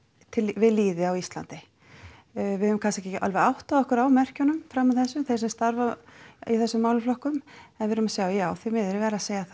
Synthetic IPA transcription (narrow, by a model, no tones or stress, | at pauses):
t̪ʰɪlvɪðliːðɪawist̪la̰nt̪ɪ | vɪʏvʏmkʰans̬ɛhcɛcʔa̰lvɛawht̪aðɔhkʏɾawmɛr̥cɔnʏmfɾamːaðθɛsːʏmθejɾsɛmst̪aɾvaiθɛsːʏmːaːwlʏflɔhkʏmɛnvɪðɾʏmasjaːwjaːwθimɪðɛɾvɛːɾaseːjaθa